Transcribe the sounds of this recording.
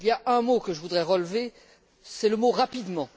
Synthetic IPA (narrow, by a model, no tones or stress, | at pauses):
iljaɛ̃mokəʒəvud̪ʁɛʁəlve | sɛləmoʁapid̪mɑ̃